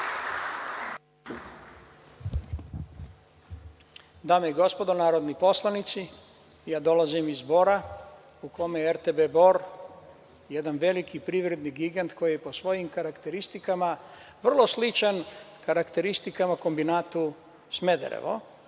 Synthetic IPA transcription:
d̪aːmeiɡo̞spo̞d̪o̞naːɾo̞d̪nipo̞slˠanit̪si | jaːd̪o̞lazimizbo̞ɾa | uko̞mejeeɾt̪ebebo̞ɾ | je̞d̪anʋe̞likipɾiʋɾe̞d̪niɡiɡant̪ko̞jijepo̞sʋo̞jimkaɾakt̪e̞ɾist̪ikamaʋr̩lˠo̞slit͡ʃankaɾakt̪e̞ɾist̪ikamako̞mbinaːt̪u | sme̞d̪ḛɾḛʋo̰

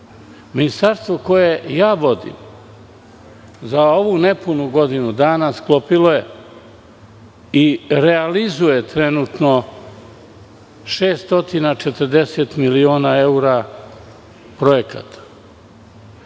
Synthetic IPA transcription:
minist̪aɾst̪ʋo̞ko̞jejaːʋo̞d̪ḭm | zao̞ʋune̞punuɡo̞d̪inud̪aːnasklo̞piloje | iɾealizuje̞t̪ɾe̞nut̪no̞ | ʃeːst̪o̞t̪inat͡ʃet̪əɾd̪e̞set̪milioːnae̞uɾa | pɾo̞je̞ka̰t̪ḁ

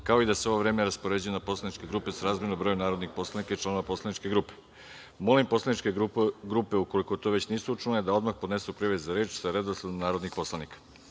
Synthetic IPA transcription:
kao̞id̪aseo̞ʋoʋɾe̞ːmeɾaspo̞ɾe̞d͡ʑujunapo̞slˠanit͡ʃke̞ɡɾupe̞saɾaːzmjenombɾo̞junaːɾo̞d̪nixpo̞slˠanikait͡ʃlano̞ʋapo̞slˠanit͡ʃke̞ɡɾupe̞ | mo̞limpo̞slˠanit͡ʃkeɡɾupe̞uko̞liko̞t̪o̞ʋe̞t͡ɕniːsuut͡ʃuned̪ao̞d̪maxpo̞d̪ne̞supɾiʋezaɾeːt͡ɕsaɾe̞d̪osad̪omnaːɾo̞d̪nixpo̞slˠanikḁ

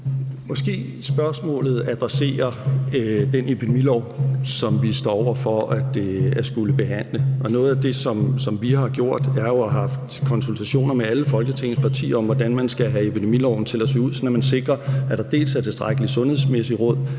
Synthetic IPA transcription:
mɒ̽sɡ̥e̝̰ː | sb̥ɶɐsmɔ̰̽ːlð̩ˠæd̥ʁase̝̰ːɐ | d̥enepʰid̥emilɒʊ̰sɒ̽mʋisd̥ɒ̰ɒʊ̰ɐfɒ̽æd̥æ̥sɡ̥uləb̥e̝ɦæn̰ləʔɒ̽nɔ̽ːð̞̩ˠæd̥e̝sɒ̽msɒ̽mʋihɑ̈ɡ̥jo̝ɐ̰d̥æɐjo̝æɦɑ̈fd̥kʰɒ̽nsult͡sʰæɕo̝̰ːnɐmeæləfɒ̽lɡ̥ət͡sʰe̝ŋn̩əspʰɑ̈t͡sʰḭːɐɒ̽mʋɒd̥ænmænsɡ̥æɦæe̝pʰid̥e̝milɒʊn̩t͡sʰe̝læse̝ːuð̰sɒ̽næmænse̝ɡ̥ʁɐæd̥ɑ̈d̥e̝̰ːlsæɐt͡sʰe̝sd̥ʁaɡ̥əlisɔ̽nhe̝ð̰ˠsmesiʁɔ̽ð̰ˠ

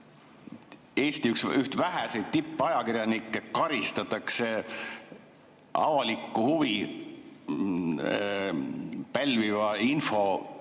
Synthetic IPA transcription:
e̞ːst̪iyksyht̪væɦæsejd̪̚t̪ipːˑɑjɑkiɾjɑnikːˑekɑɾist̪ɑt̪ːˑɑkse | ɑ̰vɑlikˑːuhuvi | pælʲvivɑinfo̞

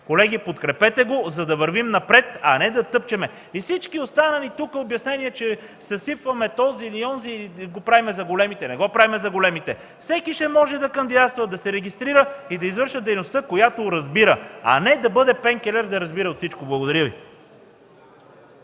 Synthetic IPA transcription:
kolɛɡ̟ipot̪kɾɛpɛt̪ɛɡozɐd̪ɐvɐɾvimnɐpɾɛt̪ɐ̰nɛd̪ɐt̪ɤp̚t͡ʃɛmɛ | ifsit͡ʃkiost̪anɐlit̪ukəobjɐsnɛniɛt͡ʃɛ | sɐsifvɐmɛt̪ɔziliɔnziiɡopɾavimɛzɐɡolɛmit̪ɛnɛɡɔpɾavimɛzɐɡolɛmit̪ɛ | fsɛkiʃɛmɔʒɛd̪ɐkɐnd̪id̪at̪st̪vɐd̪ɐsɛɾɛɡʲist̪ɾiɾəid̪ɐizvɤɾʃəd̪ɛjnost̪əkojat̪oɾɐzbiɾəɐ̰nɛd̪ɐbɤd̪ɛpɛŋkɛlɛɾd̪ɐɾɐzbiɾəot̪sit͡ʃkoblˠɐɡod̪ɐɾjɤvi

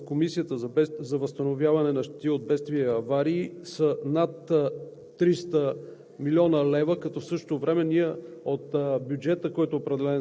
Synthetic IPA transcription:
komisiət̪əzzɐvəst̪ɐnovjavɐnɛnɐʃt̪i̥t̪iod̪̚bɛt̪st̪viəːvaɾiːsənat̪ː | ɾist̪ə | milʲɔnəlɛvəkɐt̪ɔfsɤʃt̪o̥t̪ovɾɛmɛniəot̪bjud͡ʒɛt̪əkɔjt̪oːpɾɛd̪ɛlɛn

